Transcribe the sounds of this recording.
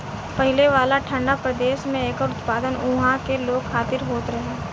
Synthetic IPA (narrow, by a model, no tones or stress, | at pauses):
pɐɦɪleʋaːlaʈʰə̃ɳɖapɾɐd̪eːʃmẽeːkəɾʊt̪paːd̪ənʊɦãkeloːɡxʰaːt̪ɪɾɦoːt̪ɾɐɦeː